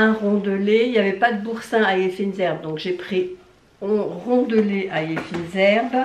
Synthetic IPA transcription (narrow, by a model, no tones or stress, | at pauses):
ɛ̃ʁɔ̃d̪əleiljavɛpad̪əbuʁsɛ̃ajefinzɛʁb̚d̪ɔ̃kʒepχi | ɔ̃ʁɔ̃d̪əleʔajefinzɛʁb